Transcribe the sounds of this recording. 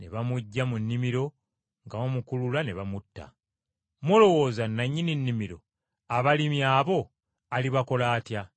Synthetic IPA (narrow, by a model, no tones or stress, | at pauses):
ne̞βamuɟːamunːimiɾo̞ | ŋɡamomukululane̞βamutːa̰ | molo̞wo̞ːzanːaɲːininːimiɾo̞ | aβalimjaːβo̞ | aliβako̞laːtja